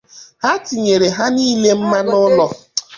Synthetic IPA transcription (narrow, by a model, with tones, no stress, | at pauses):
ha˦ti˨ɲe˨ɾe˨ɦa˦niː˦le˦m̩˦ma˦nʊ˦lɔ˦